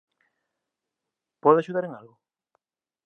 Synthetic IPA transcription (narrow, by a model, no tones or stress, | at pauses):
pɔðaʃuð̞aɾeŋalɣʊ